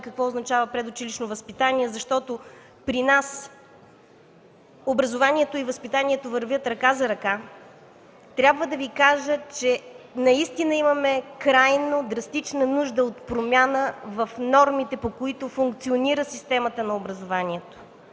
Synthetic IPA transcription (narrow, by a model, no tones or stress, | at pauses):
kəkvɔʊznɐt͡ʃavəpɾɛd̪ʊt͡ʃiliʃnovəspit̪aniɛzɐʃt̪ɔt̪o | pɾinas | obɾɐzovanʲiɛt̪oivəspit̪aniɛt̪ovɐɾvʲjət̪ɾɐkazɐɾɐka | t̪ɾʲabvəd̪ɐvikaʒət͡ʃɛnɐist̪inəimɐmɛkɾajnod̪ɾɐst̪it͡ʃnənuʒd̪əot̪pɾomʲanəvɐfnɔɾmit̪ɛpokoit̪ofuŋkt̪sioniɾəsist̪ɛmət̪ənɐobɾɐzovanʲiɛt̪o̥